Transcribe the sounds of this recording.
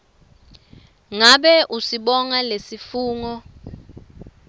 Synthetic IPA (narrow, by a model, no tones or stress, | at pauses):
ŋaɓɛʔusiɓɔŋalesifuːŋɔ